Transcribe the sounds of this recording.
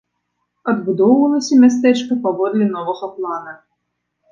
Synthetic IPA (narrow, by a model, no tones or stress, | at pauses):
ɐd̪bud̪ɔwvɐlˠɐsʲɐmʲas̬t̪ɛt͡ʂkɐpavɔd̪lʲɛnɔvɐɣɐplˠanɐ